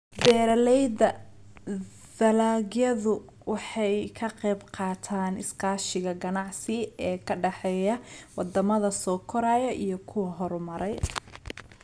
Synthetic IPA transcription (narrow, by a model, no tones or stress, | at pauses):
bɛːɾɐlɛjd̪ɐ | ðɐlaːɣjɐðʊ | wɑħɑjkʰɐqɛjbqɑːt̪ʰaːnɪ̰skʰɑːʃɪɣɐɡɐnɑʕsɪɛːkʰɐɖɑħɛːjɐwɑd̪ɐmɐðɐsɔːkʰɔɾaːjɐʔijɞkʰʊwɐɦɔɾmɐɾɛj